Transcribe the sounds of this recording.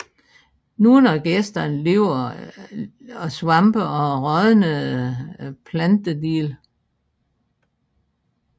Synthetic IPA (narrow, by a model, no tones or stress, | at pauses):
nuːnæɡ̥esd̥ɐnle̝ʊɐ | ɒsʋɑ̈mb̥əʔɒ̽ʁɒðˠənə | pʰlænd̥əd̥ḭːl